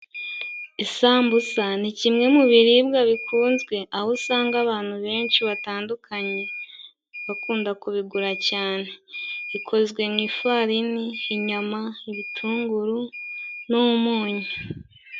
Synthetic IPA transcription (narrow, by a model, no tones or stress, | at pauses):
isaːmbusanicimŋe̞muβiɾibɡaβikʰuːnzɡwe̞ʔahosaːŋɡaβaːn̥huβe̞ːnʃiβataːndukʰaɲe̞ | βakuːndakuβiɡuɾacaːne̞βikʰo̞zɡwe̞mŋiːfaɾiniːɲamaiβitʰuːŋɡuɾunomumuːɲa